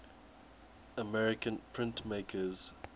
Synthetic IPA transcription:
əmɛɹɪkə̃npʰɹɪ̃ntmeɪkʰəz̥

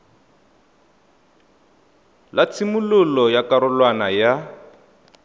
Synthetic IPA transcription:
lat͡sʰimulʊlɔjakaɾʊlwanaja

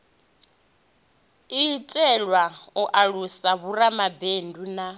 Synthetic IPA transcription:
itʼɛɺwaɔʔaɺusaβuɾamabenduna

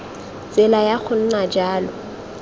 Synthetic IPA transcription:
t͡sʼɪlajaχʰʊn̩nad͡ʒaːlɔ

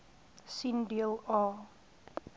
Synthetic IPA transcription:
sindiəlɔ

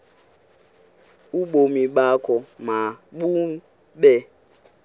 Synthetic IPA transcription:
uɓomiɓakɔmaɓum̩ | ɓɛ

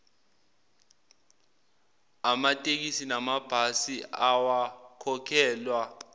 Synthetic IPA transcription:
amatʼek̬isinamab̥ʱasiawakʰɔkʰɛːlwa

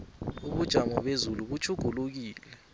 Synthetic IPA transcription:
uɓud̥ʒ̥ʱamɔɓezuluɓut͡ʃʰʼuɡ̥ʱuluk̬iːlɛ

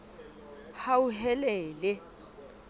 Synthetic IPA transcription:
hauɦɛlɛːlɛ

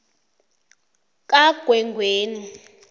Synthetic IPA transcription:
k̬ʼaɡ̥ʱwɛŋɡʱweːni

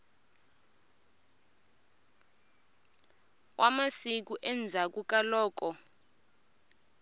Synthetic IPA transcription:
wʔamasik̬uʔɛnd͡zʱak̬uk̬ʼalɔːk̬ɔ

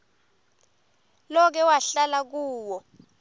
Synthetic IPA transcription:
lɔk̬ɛwaɬalak̬uːwɔ

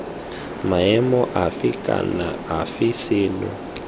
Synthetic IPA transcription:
maɛmɔʔafikʼa̰naafisiːnɔ̰

